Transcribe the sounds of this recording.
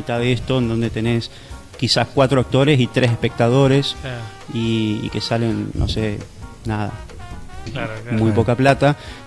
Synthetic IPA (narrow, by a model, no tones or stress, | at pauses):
it̪aðeest̪o̞end̪o̞nd̪et̪e̞ne̞s | kisahkwat̪ɾoak̚t̪o̞ɾesit̪ɾʔesehpe̞k̚t̪aðo̞ɾe̞s | iḭke̞sale̞nːʔo̰se | naða̰ | mujpo̞kaplat̪a